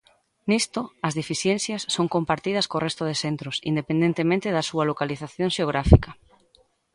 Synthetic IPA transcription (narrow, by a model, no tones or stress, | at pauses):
nist̪oɐzðifiθjen̟θjɐsːoŋkompaɾt̪iðɐskorest̪oð̞esent̪ɾʊsḭnd̪epend̪ẽnt̪emẽnt̪ɪðɐsuɐlokaliθaθjõŋʃeoɣɾafikɐ